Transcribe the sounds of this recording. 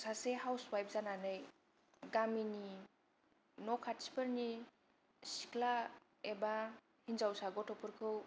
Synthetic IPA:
saseɦawswajp̚zananɯj | ɡamini | nɔkʰat̚si̥pəɾni | si̥kʰla | eba | hinzawsaɡɔtʰɔpʰɯɾkʰɯw

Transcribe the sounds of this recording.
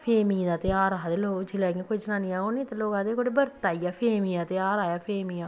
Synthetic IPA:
pʰeːmĩːd̪aːt̪ɪaːɾaɦd̪eloːd͡ʒɪlɛːɡãːkoid͡ʒnãːniãːoːnĩːt̪aloːɡãːd̪eːkoːɽiːbəɾt̪aːiːaːpʰeːmiːãːt̪ɪaːɾaːjaːpʰeːmiːãː

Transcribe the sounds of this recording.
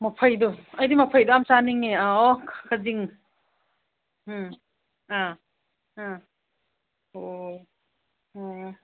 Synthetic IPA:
mɐpʰɐjdɔɐjdimɐpʰajdoamsaniŋeaɔkʰkʰaziŋ | a | a | o

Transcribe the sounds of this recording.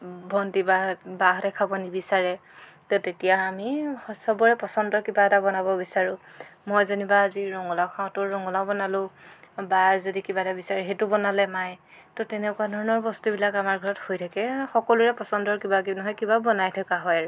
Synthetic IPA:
bʱɔntibabaɦɔɾɛkʰabɔnibisaɹɛ | totetijaːmihɔsɔbɔɹɛpɔsɔndɔɹkibatabɔnabɔbisaɹʊ̃mojzanibaːziɹɔŋɔlakʰaʊ̃tʊɹɔŋɔlaʊ̃bɔnalʊ̃bazodikibatabisaɹɛɦetʊbɔnalɛmaj | tɔtɛnɛkuadʱɔɹɔnɔɹbɔstubilakamaɹɡʱɔɹɔthojtʰakɛxɔkɔluɹɛpɔsɔndɔɹkibakinɔɦɔjkibabɔnajtʰakaɦɔjaɹ

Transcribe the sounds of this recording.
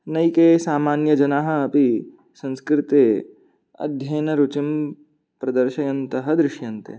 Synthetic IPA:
nɐjkeːsaːmaːnjɐd͡ʒɐnaːɦɐɐpi | sɐ̃nskɾɪt̪e | ɐ̰d̪ʱjɐːnɐɾut͡ʃim | pɾɐd̪ɐɾʃɐjɐnt̪ɐɦɐ̆d̪ɾɪʃjɐnt̪ḛ

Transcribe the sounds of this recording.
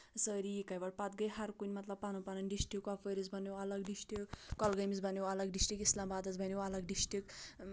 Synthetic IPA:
səɾikajbaɽpat̪̚ɡəjɦɐɾkunʲmɐt̪lɐb̚panupanɐnɖisʈikɔpʰəɾizbʱʌnjowɐləɡɖisʈikːɔlɡəjmizbʱɐnjowɐləɡɖisʈikislambad̪ɐzbʱɐnowɐləɡ̚ɖisʈik

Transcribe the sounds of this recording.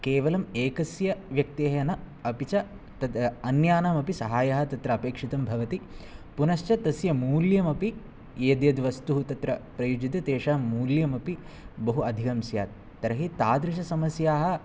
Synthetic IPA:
keːʋɐlɐmeːkɐsjɐʋjɐk̚t̪ijɐnɐɐpit͡ʃɐ | t̪ɐɐnjaːnaːmɐpisɐɦaːjaɦɐ̆t̪ɐt̪ɾɐɐpeːkʂit̪ɐmbʱɐʋɐt̪ipunɐʃt͡ʃɐt̪ɐsjɐmuːljɐmɐpi | eːd̪jɐd̪ʋɐst̪uɦut̪ɐt̪ɾɐpɾɐjud͡ʒit̪ɐt̪eːʂaːmːuːljɐmɐpi | bɐɦuɐd̪ʱikɐmsja̰ːt̪ːɐɾɐɦit̪aːd̪ɾiʃ̬ɐsɐmɐsjaːɦɐ̆

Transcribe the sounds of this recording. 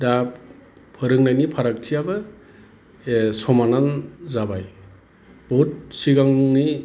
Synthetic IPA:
da | pʰɯɾɯŋnajnipʰaɾak̚tʰijabɯ | sɔmananzabaj | b̥ɔt̚siɡaŋni

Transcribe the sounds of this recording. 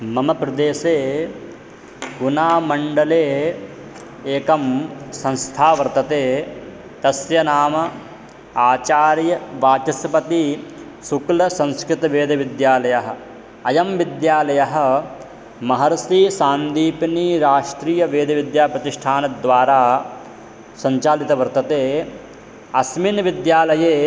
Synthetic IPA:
mɐmɐpɾɐd̪eːseː | ɡunaːmɐɳɖɐleː | eːkɐmsɐ̃ñst̪ʰaːʋɐɾt̪ɐt̪eː | t̪ɐsʋjɐnaːmɐ | aːt͡ʃaːɾjɐʋaːt͡ʃɐsɐpɐt̪i | suklɐsɐ̃nskɾɪt̪ɐʋeːd̪ʱɐʋid̪jaːlɐjɐɦɐ̆ | ɐjɐmʋid̪jaːlɐjɐɦɐ̆ | mɐɦɐɾsiːsaːnd̪iːpɐniːɾaːʂʈɾiːjɐʋeːd̪ʱɐʋid̪jaːpɾɐt̪iʂʈʰaːnɐd̪ʋaːɾaː | sɐɲt͡ʃaːlit̪ɐʋɐɾt̪ɐt̪eː | ɐsminʋid̪jaːlɐjeː

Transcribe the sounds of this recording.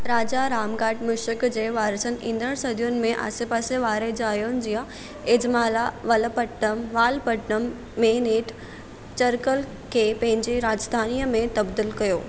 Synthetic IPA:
ɾaːd͡ʑaɾaːmɡaːʈmʊʃɪkd͡ʑeːʋaːɾəsənɪ̆ʔĩːnd̪əɽsɐd̪ʱijʊnɪ̆mẽʔa̰ːsepaːseʋaːɾed͡ʑaːjon̆d͡ʑijə̃ | ɪd͡ʑmaːlaʋɐlpɐʈnəmʋaːlpɐʈnəmː | eːneːʈ | t͡ɕɐɾkəl | kʰeːpɐ̃ɦɪ̃ɲd͡ʑiɾaːd͡ʑəst̪ʰaːnijəmẽt̪ɐbd̪ilkɐjoː

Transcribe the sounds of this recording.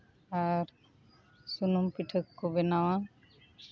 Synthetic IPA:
aɾ | sunumpiʈʰəkːobɛnawa

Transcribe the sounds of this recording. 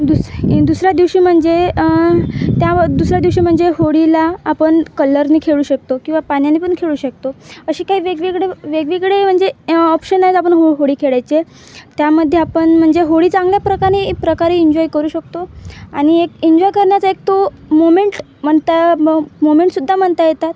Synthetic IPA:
d̪ud̪usɾjad̪iʋɕiːm̤əɳd͡ze | t̪jad̪usɾjad̪iʋɕiːm̤əɳd͡zeɦoɽilaːpəɳkələɾniːkʰeɭuːɕək̚t̪okĩw̃ʋapanjanːipəɳkʰeɭuːɕək̚t̪oəɕiːkaɦiːʋeɡʋeɡɭeʋeɡʋiɡɭem̤əɳd͡zeɔpɕənːajt͡sapəɳɦoɦoɽiːkʰeɭajt͡se | t̪jaməd̪ʱːjeapəɳm̤əɳd͡zeɦoɽiːt͡sãŋɡljapɾəkaɾepɾəkaɾeiɲd͡ʑɔjkəɾuːɕək̚t̪oaɽ̃iekiɲd͡ʑɔjkəɾɳjat͡saek̚t̪o | momeɳʈ | m̤əɳt̪amomeɳʈsud̪ʱːam̤əɳt̪ajet̪at̪

